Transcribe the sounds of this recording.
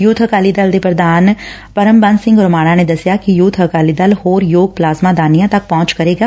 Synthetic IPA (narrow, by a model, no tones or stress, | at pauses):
jut̪ʰɦəkaːlid̪ɐld̪epɾəd̪aːn | pɐɾəmbãnsɪ̃ŋɡɔːɾmaːɽãned̪ɐsjakijuːt̪ʰəkaːlid̪ɐlhoːɾjoːɡ̚plaːzmad̪aːnijãt̪ɐk̚pɔːʊ̃t͡ʃkɐɾeːɡaː